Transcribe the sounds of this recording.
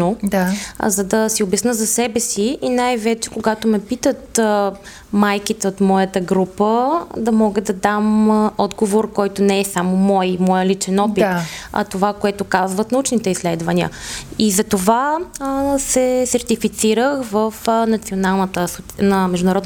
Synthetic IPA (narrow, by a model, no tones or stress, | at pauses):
nod̪azɐd̪ɐsiobɛsnəzɐsɛbɛsiinajvɛt͡ʃɛ̥koɡat̪omɛpit̪ət̪ | majkit̪ɛot̪mɔjət̪əɡɾupəd̪ɐmɔɡəd̪ɐd̪amɔd̪ɡovoɾkɔjt̪onɛɛsamomɔjmɔjəlit͡ʃɛnɔpit̪ɐ̰t̪ovakoɛt̪okazvət̪nɐut͡ʃnit̪ɛislɛd̪vəniə̰izɐt̪ova | sɛsɛɾt̪ifit̪siɾəxvəfnɐt̪sionalˠnət̪əsot̪nəmɛʒd̪ʊnɾɔd̪